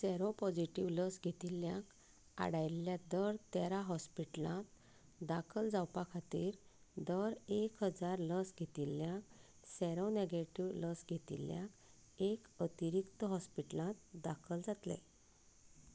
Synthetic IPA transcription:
sɛɾopɔd͡ʑiʈiʋləsɡʱet̪ilːjãk | a̰ɽajlːjad̪əɾt̪ɛɾaɦɔspiʈlãt̪ | d̪akʰəld͡zawpãkʰat̪iːɾ | d̪əɾekɦəd͡zaɾləsɡʱet̪iljãk | sɛɾɔneɡeʈiʋləsɡʱet̪ḭljã̰k | ekət̪iɾikt̪əɦɔspiʈlãt̪̚d̪akʰəld͡zat̪lḛ̃

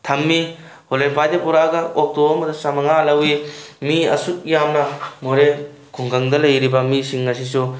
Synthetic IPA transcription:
tʰɐmːi | holenpʰajdepuɾaɡɐok̚toɐmɐdɐsamɐŋalɐwimiɐsuk̚jamnɐmoɾe | kʰuŋɡɐŋdɐlɐjɾibɐmisiŋːɐs̬isu

